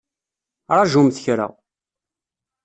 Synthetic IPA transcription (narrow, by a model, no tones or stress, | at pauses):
ɾˤɑʒumθəçɾa̰